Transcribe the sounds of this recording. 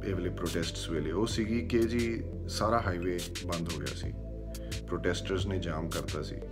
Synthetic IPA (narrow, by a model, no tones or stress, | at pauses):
eːʋleːpɾoːʈɛːsʈsʋeːleːoːsiːɡiːked͡ʒiː | saːɾaːɦaːiːʋeː | bə̃nd̪ɦoːɡɪja̰ːsḭː | pɾoːʈɛːsʈəɾznẽːd͡ʒaːmkəɾt̪aːsḭː